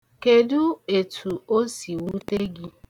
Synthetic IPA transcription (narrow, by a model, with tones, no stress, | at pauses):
ke˨dʊ˦e˨tʰu˨o˦si˨wu˦te˦ɡi˦